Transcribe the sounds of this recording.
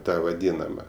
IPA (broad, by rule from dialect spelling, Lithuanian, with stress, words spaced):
ˈtɐ ʋɐˈdʲiːnɐmɐ